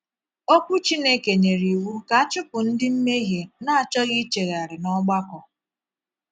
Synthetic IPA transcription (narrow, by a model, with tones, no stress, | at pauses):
o˦kʷu˦t͡ʃi˦ne˦ke˨ɲe˨ɾi˨wu˦ka˦a˦t͡ʃʊ˦pʊ˨n̩˦dɪ˦m̩˦me˦ɦje˨na˦a˨t͡ʃɔ˦ɣɪ˦t͡ʃe˨ɣa˨ɾɪ˨nɔ˦ɡ͡ba˦kɔ˨